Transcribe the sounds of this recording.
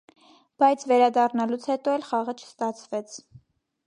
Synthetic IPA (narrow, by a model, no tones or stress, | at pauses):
b̥ɑjt͡sʰvɛɾɑd̪ɑrnɑlut͡sʰhɛt̪ɔɛlχɑʁət͡ʃʰə̥st̪ɑt͡sʰvɛt͡sʰ